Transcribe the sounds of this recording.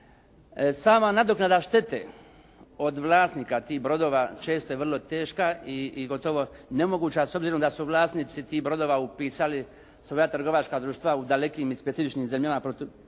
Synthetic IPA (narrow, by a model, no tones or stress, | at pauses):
saːmanad̪o̞knad̪aʃt̪e̞t̪ḛ | o̞d̪ʋlˠaːst̪niːkat̪iːɦbɾo̞d̪o̞ːʋat͡ʃe̞ːst̪o̞jeʋrlˠo̞t̪e̞ːʃkaiːɡo̞t̪o̞ʋo̞ne̞mo̞ɡuːt͡ɕaso̞bziːɾo̞md̪asuʋlˠaːst̪niːt̪sit̪iːhbɾo̞d̪o̞ːʋaupiːsali | sʋo̞jat̪r̩ɡo̞ʋat͡ʃkad̪ɾuːʃt̪ʋaud̪ale̞kiːmispet̪sifit͡ʃniːmzemʎamapɾot̪